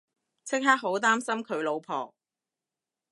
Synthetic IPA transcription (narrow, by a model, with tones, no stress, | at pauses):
t͡sʰɪ˥k̚ɦaː˥k̚ɦo˨˥wt̪aː˥msɐ˥mkʰɵ˨˧ɥlo˨˧wpʰɔ̰ː˨˩